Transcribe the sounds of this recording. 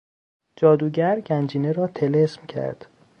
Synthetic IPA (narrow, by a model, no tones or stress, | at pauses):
d͡ʒɒːd̪uːɟæɾɟænd͡ʒiːneɾɒːt̪ʰe̞lesmcʰæ̰ɾd̪̥